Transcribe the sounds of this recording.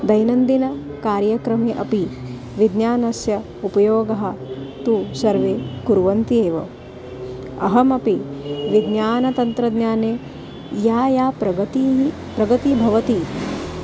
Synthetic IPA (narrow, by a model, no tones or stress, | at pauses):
d̪ɐjnɐnd̪inɐkaːɾjɐkɾɐmeːʔɐpi | ʋid̪njaːnɐsjɐ | upɐjoːɡɐɦɐ̆t̪uːsɐɾʋeːɡuɾʋɐnt̪ieːʋɐ̰ | ɐ̰ɦɐmɐpiʋid̪njaːnɐt̪ɐnt̪ɾɐd̪ɲjaːneː | jaːjaːpɾɐɐt̪i | pɾɐɡɐt̪ibʱɐʋɐt̪i